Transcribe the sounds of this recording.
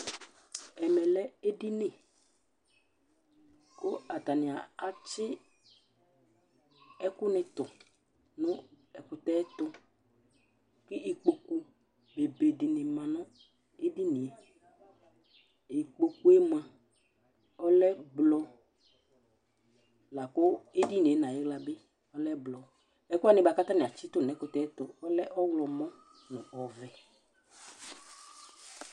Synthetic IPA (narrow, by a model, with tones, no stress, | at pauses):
ɛ˨mɛ˨lɛ˦e˦dɪ˦nɪ̃˨ | kʊ˦a˨t̪a˨nɪ̃˨a˨a˨t͡ʃɪ˦ | ɛ˦kʊ˦nɪ̃˨t̪ʊ˨ | nʊ̃˦ | ɛ˨kʊ˨t̪ɛ˦t̪ʊ˦ | kɪ˦ʔi˨k͡po˨ku˦ | be˨be˨dɪ˨nɪ̃˨mã˨nʊ̃˦ | e˦di˦nɪ̃˨e˨ | i˨k͡po˨ku˦e˦m˦ã˨ | ɔ˦lɛ˦blɔ˧ | la˨kʊ˦e˦di˦ni˨e˨˦nã˨je˦ɡla˨bɪ˦ | ɔ˦lɛ˦blɔ˨ | ɛ˦kʊ˦a˦nɪ˦ba˨˧ka˦t̪a˦nɪ̃˨a˨t͡ʃi˦t̪ʊ˦˨n˨ɛ˨˦kʊ˨tɛ˦t̪ɔ˨ɔ˦lɛ˦ʔɔ˦wlɔ˨mɔ̃˦ | nʊ̃˨ɔ˨vɛ˨